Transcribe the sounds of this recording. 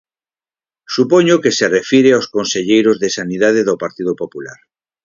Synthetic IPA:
supoɲokeserefiɾeawskonseʎejɾozðesaniðað̞eðopaɾt̪iðopopulaɾ

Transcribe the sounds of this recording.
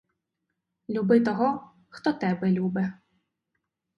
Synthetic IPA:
lʲubɪt̪ɔɦɔ | xt̪ɔt̪ɛbɛlʲubɛ

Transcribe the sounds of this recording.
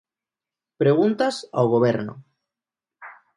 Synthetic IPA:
pɾe̞ɣ̞unt̪asa̰wɣ̞oβ̞eɾno̰

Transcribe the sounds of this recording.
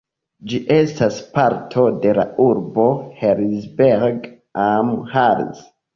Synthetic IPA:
d͡ʒiʔe̞staspaɾtʰo̞de̞la̰uɾbo̞heɾzbeɾɡ | amhaɾz

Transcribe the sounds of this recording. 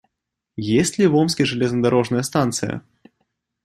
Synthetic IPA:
jesʲtʲlʲivɔmsʲkʲiʐɨlʲɛznɐd̪aɾɔʐnɐjɐst̪ant̪sɨjɐ̰

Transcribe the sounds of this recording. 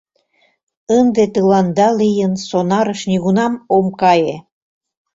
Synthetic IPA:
ənd̪et̪əlɑnd̪ɑlijənsonɑɾəʃnʲiɣunɑmomkɑje

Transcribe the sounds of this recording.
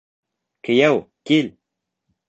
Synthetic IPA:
kejɛwkil

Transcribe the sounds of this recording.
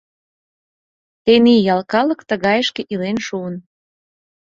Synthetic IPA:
t̪enijɑlkɑlə̆kt̪əɣɑjəʃkeʔilenʃuən

